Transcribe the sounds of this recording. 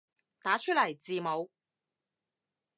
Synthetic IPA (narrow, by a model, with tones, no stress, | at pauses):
t̪aː˨˥t͡ʃʰɵ˥t̚lɐ˨˩jt͡siː˨˧mo˨˧w